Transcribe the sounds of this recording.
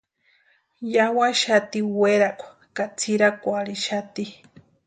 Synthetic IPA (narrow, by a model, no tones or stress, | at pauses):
jawaʃat̪iweɾakʷa | kat͡sʰiɾakʷaɾiʃat̪i